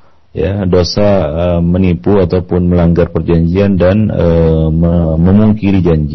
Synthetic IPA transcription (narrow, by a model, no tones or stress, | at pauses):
ja̰dosaəmənipuat̪awpʊnməlaŋɡarpərd͡ʒaɲd͡ʒiandanəməməmuŋkiɾid͡ʒaɲd͡ʒi